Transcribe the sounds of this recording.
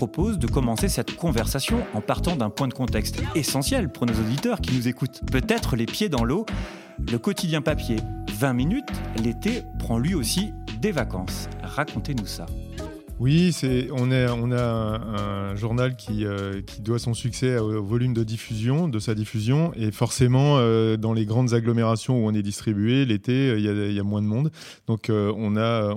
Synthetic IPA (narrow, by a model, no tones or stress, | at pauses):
ɔpozd̪əkɔmɑ̃sesɛt̪kɔ̃vɛʁsasjɔ̃ɑ̃paʁt̪ɑ̃d̪ɛ̃pwɛ̃d̪əkɔ̃t̪ɛkst̪esɑ̃sjɛlpuʁnozod̪it̪œʁkʲinuzekut̪pøt̪ɛt̪χəlepjed̪ɑ̃lo | ləkɔt̪id̪jɛ̃papjevɛ̃minyt̪let̪epχɑ̃lɥiosid̪evakɑ̰̃sʁakɔ̃t̪enusa̰ | wisɛɔ̃naɔ̃naɛ̃ɛ̃ʒuʁnalkʲʰiøkʲʰi̥d̪wasɔ̃syksɛoovɔlymd̪əd̪ifyzjɔ̃d̪əsad̪ifyzjɔ̃efɔʁsemɑ̃ød̪ɑ̃leɡʁɑ̃d̪zaɡlɔmeʁasjɔ̃uɔ̃nɛd̪ist̪χibyelet̪eøiljailjamwɛ̃d̪əmɔ̃d̪ | d̪̥ɔ̃køɔ̃naø